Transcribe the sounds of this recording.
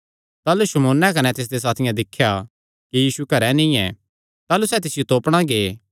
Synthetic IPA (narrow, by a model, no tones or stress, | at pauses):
t̪aːluʃɐmoːnːɛkɐnɛt̪ɪs̬d̪es̬aːt̪ʰɪjãd̪ɪkʰːja | kijiːsukɐɾɛnĩɛ̰ | t̪aːlusɛːt̪̬ɪsɪjot̪oːpɽ̃ãɡeː